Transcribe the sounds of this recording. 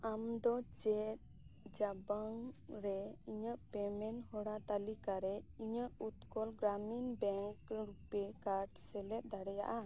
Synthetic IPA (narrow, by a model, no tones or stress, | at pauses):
amd̪ɔt͡ʃɛt̪̚ | d͡ʒabaŋɾɛiɲəʔpɛmɛnhɔɽat̪alikaɾɛiɲəʔut̪kɔlɡɾaminbɛŋkɾupɛkaɾɖsɛlɛt̪̚ˀd̪aɽɛja̰ʔa